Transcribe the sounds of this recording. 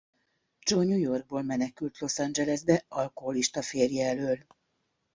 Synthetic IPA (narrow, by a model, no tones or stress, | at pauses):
d͡ʒoɲujo̞rɡ̚boːlmɛnɛkylt̪lo̞sand͡ʒɛlɛzb̪ɛʔɒlkoɦo̞liʃt̪ɒfeːrjɛɛløːl